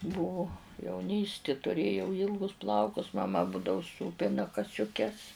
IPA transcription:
ˈbuːʋʊ jɛʊˈnʲiːsʲtʲɪ tʊˈrʲeːjɛʊ ˈiːlˠɡʊs ˈplˠɐʊkʊs mɐˈmɐ ˈbuːdɐʋʊ ˈsuːpʲɪnɐ kɐsʲʊˈkʲɛs

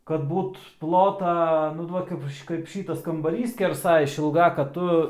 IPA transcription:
kɐt ˈbuːt ˈplˠoːtɐ nʊ ˈduɔk kɐɪp kɐɪp ˈʃʲiːtɐs kɐmbɐˈrʲiːs sʲkʲɛrˈsɐ ɪʃʲɪlˠˈɡɐ kɐt ˈtʊ

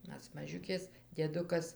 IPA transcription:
ˈmʲɛs mɐˈʒʲʊkʲeːs dʲiɛˈdʊkɐs

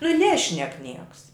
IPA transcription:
nʊ ˈnʲæːʃʲnʲɛk ˈnʲiɛks

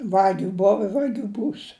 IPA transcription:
ˈʋɑːɡʲʊ ˈboːʋɐ ɪ ˈʋɑːɡʲʊ ˈbuːs

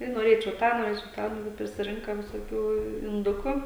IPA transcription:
tɐɪ noːˈrʲeːt͡ʃʲɛʊ ˈtɑː noːˈrʲeːt͡ʃʲɛʊ ˈtɑː ˈnʊ ʋɐt pʲrʲɪsʲɪˈrʲɪŋkɐ ʋʲɪsoːˈkʲuː ɪnˈdʊkʊ

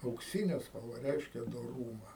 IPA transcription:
ɐʊkˈsʲɪnʲɛ spɐlˠˈʋɐ ˈrʲɛɪʃʲkʲɛ doːˈruːmɐ

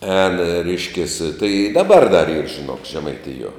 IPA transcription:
ɛːn ˈrʲɛɪʃʲkʲeːs tɐɪ ɪ ˈdɑːˌbɐr dɐr iːr ʒʲɪˈnoːk ʒʲɛmɐɪˈtʲɪjuɔ

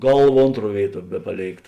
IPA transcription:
ˈɡɐlˠˌʋɐ ˈoːntˌruɔ ˈʋʲeːɪˌtuɔ ˈbʲæːpɐˌlʲeːɪkt

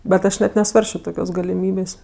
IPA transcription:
bʲɛt ˈɐʃ nʲɛt nʲɛˈsʋɐrʲsʲt͡ʃʲoː ˈtoːkʲoːs ɡɐlʲɪˈmʲiːbʲeːsʲ

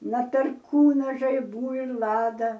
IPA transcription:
nɐ pʲɛrˈkuːnɐ ʒɐɪˈbuː ɪr ˈlˠɑːdɐ

